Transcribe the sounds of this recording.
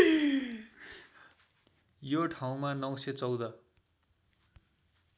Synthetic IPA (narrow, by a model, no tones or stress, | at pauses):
joʈʰaw̃manʌw̃set͡sʌwd̪ʌ